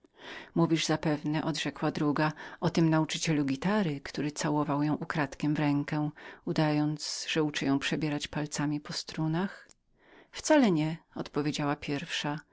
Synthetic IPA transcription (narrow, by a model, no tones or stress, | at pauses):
muvʲiʐzapɛvnɛʔɔd̪ʐɛkwad̪ɾuɡaɔt̪ɘmnaut͡ʂɘt͡ɕɛluɡʲit̪aɾɘkt̪uɾɘt̪sawɔvawjɔ̃w̃ʔukɾat̪kʲɛmvɾɛŋkɛud̪ajɔnt̪zsʐ̥ɛut͡ʂɛjɔ̃w̃pʂɛbʲjɛɾat͡ɕpalt̪samʲipɔst̪ɾunax | ft̪salɛɲɛɔ̰t̪pɔvʲjed͡ʑawapʲjɛɾfʂa